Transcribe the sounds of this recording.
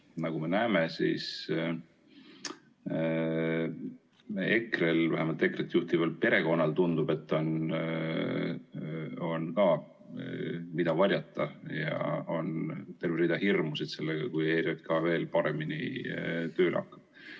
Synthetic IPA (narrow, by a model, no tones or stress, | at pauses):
nɑɡ̥ume̞næːmesḭːs | e̞kre̞lvæɦemɑlt̪ˑe̞kret̪ːjuht̪ivɑl̚pe̞ɾe̞ko̞nːɑlt̪und̪̥ub̥e̞t̪ːˑo̞n | o̞nkɑː | mid̪̥ɑvɑɾʲjɑt̪ːˑɑjɑ̰o̞nt̪e̞rverid̪̥ɑhirmusid̪̥se̞lːeɡ̥ɑkujeːɾiɑt̪̚kɑve̞ːlpɑɾe̞minḭt̪øːlʔɑ̰kːˑɑ̥b̥̚